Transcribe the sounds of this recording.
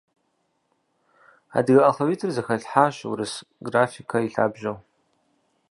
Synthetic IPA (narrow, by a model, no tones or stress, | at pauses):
a̰dɡaʔɐχɐwitʰɨrzaxɐɬħaʃwṵɾɨsɡrafikʰaiɬa̰ːbʒow